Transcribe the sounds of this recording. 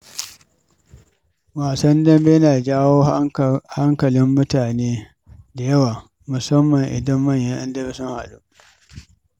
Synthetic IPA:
waː˨sɐ˦ndɐ˦mbe˦jnaː˨d͡ʒaː˦woː˦ha˦ŋkɐ˨lɪ˦mːʊ˦taː˨neː˦ | da˨jɐ˦waː˨ | mʊ˨sɐ˦mːɐ˨ŋʔɪ̰˨dɐ˦mːɐ˦˨ɲjɐ˦ʔɐ˦ndɐ˦be˦sʊ˦ŋha̰˨ɗu˦ʔ

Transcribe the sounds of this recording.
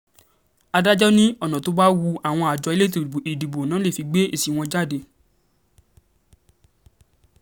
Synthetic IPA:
a˧da˦d͡ʒɔ˦nĩ˦ɔ˦˨nã˨to˧ba˦wu˧a˨w̃ɔ̃˧a˨d͡ʒɔ˨˧i˦le˦te˨i˨di˨bo˨nãː˨˦le˦˨fi˧ɡ͡be˦e˦˨si˨˦w̃ɔ̃˧d͡ʒa˦˨de˧

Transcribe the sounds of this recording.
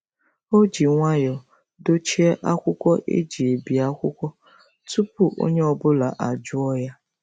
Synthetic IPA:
o˦d͡ʒi˨ŋʷa˦jɔ˨ | do˦t͡ʃi˦e˦ʔa˦kʷʊ˦kʷɔ˦ʔḛ˦d͡ʒi˨e˨bi˨a˦kʷʊ˦kʷɔ˦ | tu˦pu˦ʔo̰˦ɲe˦ɔ˨bʊ˦la˨ʔa˨d͡ʒʊ˦ɔ˦ja˦

